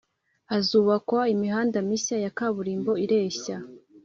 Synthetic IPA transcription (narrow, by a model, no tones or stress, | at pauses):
azuːβakwaimiɦaːndamisajakaβuɾiːmbo̞iɾeːɕa